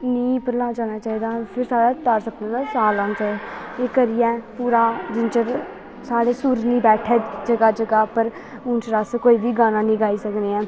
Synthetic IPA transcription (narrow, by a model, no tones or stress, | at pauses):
nĩːpəɾlaːd͡ʒaːnaːt͡ʃaːiːd̪aːpʰɪɾsaːɽaːt̪aːɾsəkd̪ẽːd̪aːsaːlãːnt͡ʃɛ | eːkəɾɪjɛ̃ːpuːɾaːd͡ʒɪnt͡ʃəɾ | saːɽeːsuːɾnĩːbɛːʈʰɛːd͡ʒəɡaːd͡ʒəɡaːpəɾ | ʊnt͡ʃɾaskoːiːbiːɡaːnãːnĩːɡaːiːsəkneːɛ̃ː